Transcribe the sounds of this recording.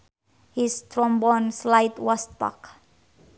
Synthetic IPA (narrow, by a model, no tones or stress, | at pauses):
hist̪ɾɔmbɔnslajt̪wast̪pa̰k